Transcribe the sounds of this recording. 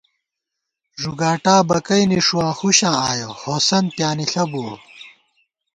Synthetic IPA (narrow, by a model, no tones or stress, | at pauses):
ʐuɡaːʈaːbɐkɐjniʂuwãːxuɕãːaːjohoːsɐn̚pjaːniɬɐbu